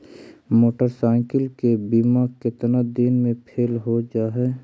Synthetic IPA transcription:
moːʈəɾsaɪkəlkebimakɪt̪nad̪inmẽpʰeːlɦod͡ʒaːɦɛː

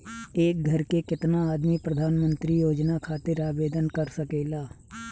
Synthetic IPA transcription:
eːk̚ɡʱɐɾkekɪt̪naaːd̪mipɾɐd̪ʱaːnmə̃nt̪ɾijoːd͡ʒnakʰaːt̪ɪɾaːbeːd̪ənkɐɾsɐkeːlaː

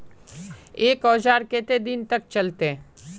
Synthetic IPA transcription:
eːkɔːd͡ʒaːɾkeːt̪ed̪ɪnt̪ɐk̚t͡ʃɐlt̪e

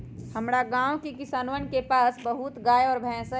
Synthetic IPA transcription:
həmɾaɡãːwkekɪsaːnʋənkepaːsbəɦʊt̪ɡaːjɔːɾbʱɛ̃ːsə

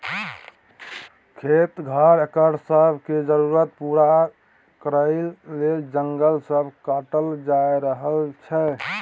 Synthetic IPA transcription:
kʰet̪ɡʱaɾəkəɾsəbʱked͡ʒəɾuɾət̪̚puɾa | kəɾəɪːed͡ʒəŋɡəlsəbʱkaʈəld͡ʒajɾəɦəlt͡ʃʰɛ

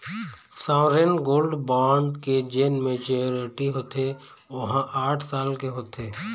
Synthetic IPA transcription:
saːɾenɡoːlɖbaːɳɖked͡ʒenmẽt͡ʃeoɾeʈiɦoːt̪ʰe | ʋɐɦãʔaːʈʰsaːlkeɦoːt̪ʰeː

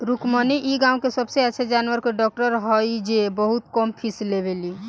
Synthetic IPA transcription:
ɾukməniʔiɡãũkesəbseɛt͡ʃʰed͡ʒanʋəɾkeɖɔk̚ʈəɾɦɔjd͡ʒebəɦut̪kɔmpʰislebeli

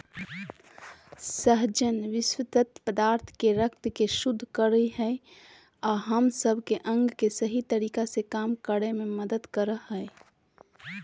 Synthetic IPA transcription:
səɦd͡ʒənʋɪswət̪ət̪pəd̪aːɾt̪ʰkeɾəkt̪keʃʊd̪ʱːkəɾiɦɛ | ɔːɦəmsəbʱkeʔə̃ŋɡkesəɦit̪əɾiːkasekaːmkəɽemẽməd̪əd̪kəɾəɦɛː

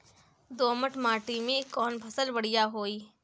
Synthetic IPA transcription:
d̪oːməʈʰmaːʈimẽkɔːnbʱɐsəlbɐɽ̤ijaɦoːiː

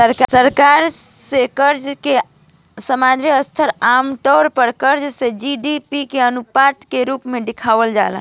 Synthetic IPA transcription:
əɾksəɾkaɾsekəɾd͡ʒke | səmad̪ʱɾiəst̪ʰəɾamt̪ɔːɾpəɾkəɾd͡ʒsed͡ʒiɖipikeənupat̪keɾupmeɖikʰaʋəld͡ʒa̰la̰

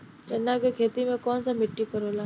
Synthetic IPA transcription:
t͡ʃɐnːaːkekʰeːt̪imẽkɔːnsãmɪʈːipəɾoːlaː

